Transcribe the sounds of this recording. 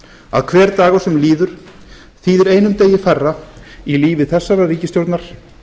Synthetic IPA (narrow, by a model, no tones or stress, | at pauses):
a̰ðkʰvɛːɾt̪aːɣasɛmliːðʏɾ̥ | θiːðɪɾeːjnʏmt̪eːjɪfɛrːailiːvɪθɛsːaɾariːcɪst̪jowɾt̪naɾ̥